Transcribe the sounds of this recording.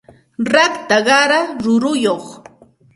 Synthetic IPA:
ɾakt̪aɢɑɾaɾʊɾʊjoχ

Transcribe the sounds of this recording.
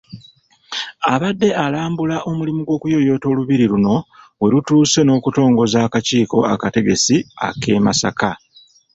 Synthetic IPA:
aβadːe̞ʔalaːmbulaʔo̞mulimuɡwo̞ːkujo̞jo̞ːto̞ːluβiɾiɾuno̞ | we̞ɾutuːse̞no̞ːkuto̞ːŋɡo̞zaːkaciːko̞akate̞ɡe̞sia̰ke̞ːmasa̰ka

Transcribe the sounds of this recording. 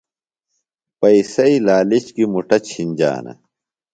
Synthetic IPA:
pɐisɐilaːlit͡ɕkimuʈɐt͡ɕʰinʲd͡ʑa̰ːnɐ̰

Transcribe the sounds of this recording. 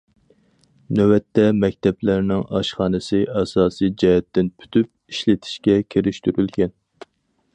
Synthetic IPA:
nøwɛt̪ːɛmɛk̚ʲt̪ɛplæɾnɪŋɑʃχɑːnɨsɨʔɑsɑːsɨjd͡ʒɛhɛt̪ːɪnpʰy̥t̪ʰyp̚iʃlɪt̪ʰi̥ʃkʲɛkʲʰeɾɪʃt̪yɾylkʲɛn

